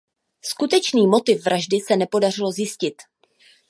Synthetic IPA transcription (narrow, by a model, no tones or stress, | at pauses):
skut̪ɛt͡ʃniːmo̞t̪ɪfvɾʔaʒdɪsɛnɛpo̞dar̝ɪlo̞zjɪscɪt̪